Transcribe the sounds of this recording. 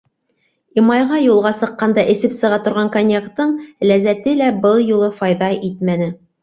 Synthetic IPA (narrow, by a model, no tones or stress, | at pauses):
imɑjʁɑjulˠʁɑsɤ̆qːɑnd̪ɑʔɘ̆sɘpsɤ̆ʁɑt̪ŏɾʁɑŋkonʲjekt̪ːɤɴlæzæt̪ɘlæbɤlˠjulˠɤfɑjðɑʔit̪̚mænɘ